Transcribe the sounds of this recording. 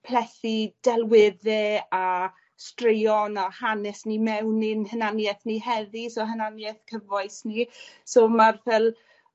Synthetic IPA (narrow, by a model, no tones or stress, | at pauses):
pʰlɛθid̥ɛlˠwɪðɛa | strejɔnahanɛsnimɛwnɪnhənanjɛθnihɛðisoɦənanjɛθkʰəvɔɨsnisoːmarvɛlˠ